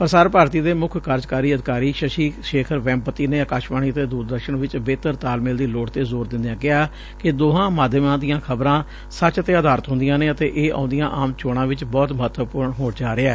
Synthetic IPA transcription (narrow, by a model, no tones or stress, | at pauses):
pəɾsaːɾpaːɾt̪iːd̪eːmʊkʰkʰəɾd͡ʒkaːɾiːəd̪ɪkaːɾiːʃəʃiːʃeːkʰəɾʋɛ̃ːmpət̪iːneːəkaːʃmaːɳ̃iːət̪eːd̪uːɾd̪əɾʃəɳʋɪt͡ʃbeːt̪əɾt̪aːlmɪld̪iːloːɽt̪eːzoːɾd̪ɪ̃nd̪ɪjãːkɪɦaː | kɪd̪oːɦãːmaːd̪ʱjmãːd̪ijãːkʰəbɾãː | sət͡ʃət̪eːəd̪aːɾət̪ɦʊ̃nd̪ɪjãːneːət̪eːʔeːʔã̰ːnd̪ɪjãːʔaːmt͡ʃoːɽãːʋɪt͡ʃbɔːt̪məɦət̪ːʋəpʊɾɳɦoːɽt͡ʃaːɾeɛː